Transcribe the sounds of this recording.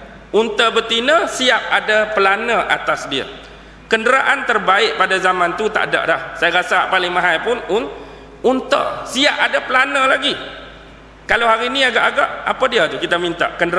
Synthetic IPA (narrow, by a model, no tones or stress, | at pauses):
ʔunt̪əbət̪inə̃siap̚adapəlanə̃ʔa̰t̪asdia̰ | kəndəɾaʔant̪ərbaɪʔ̚padazamãnt̪ut̪a̰ʔda̰ʔlahsajaɾasapalɪŋmãɦajpʊnun | unt̪ə̰siaʔadapəlanəlaɡi | kalawɦaɾinĩaɡaʔaɡaʔa̰padiat̪ukit̪amint̪a̰ʔkəndəɾ